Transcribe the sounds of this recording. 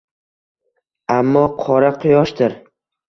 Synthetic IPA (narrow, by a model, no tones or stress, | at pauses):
amːɒqʰɒɾaqʰʊjɒʃd̪t̪ɪɾ